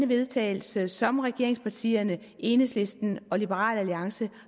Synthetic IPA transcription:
nəʋe̝ðˠt͡sʰɛ̰ːl̩səsɒ̽mʁɛɡ̥e̝ɐeŋspʰɑ̈t͡sʰḭːɐnə | ʔe̝ːnəsle̝sd̥n̩ɒ̽lib̥əʁɑ̰̈ːlæliɑ̈ŋsə

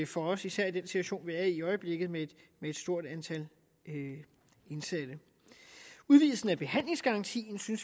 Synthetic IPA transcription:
fɒ̽ɒsisæɐ̰id̥en̰sit͡sʰw̝æɕo̝̰ːnʋæːɐiɒɪəb̥le̝ɡ̥ð̩ˠmed̥meed̥sd̥o̝ɐ̰d̥ænt͡sʰæl | e̝nsæd̥ə | uðˠʋiːl̩sn̩æb̥e̝ɦæn̰le̝ŋsɡ̥ɑ̈ʁɑ̈nt͡sʰḭːnsyns

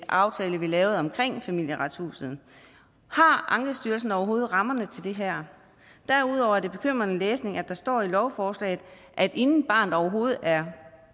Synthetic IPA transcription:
ʔɑ̈ʊt͡sʰɛːləʋilɛːʊð̞̩ˠɒ̽mkʰʁeŋ̰fæmil̰jəʁɑ̈d̥shṵːsð̩ˠ | hɑ̈ʔɑ̈ŋɡ̥əsd̥yːɐls̬n̩ɒʊɐɦo̝ːð̞̩ˠʁɑ̈mɐnət͡sʰe̝ld̥e̝ɦæɐ̰ | d̥æɐuð̞̰ˠɒʊɐæɐd̥e̝b̥e̝kʰøm̰ʁɐnəleːsne̝ŋæd̥ɑ̈sd̥ɒ̰ːilɒʊfɒːslɛ̰ːð̩ˠ | ʔæd̥e̝nn̩b̥ɑ̈ːnð̩ˠɒʊɐɦo̝ːð̩ˠæɐ

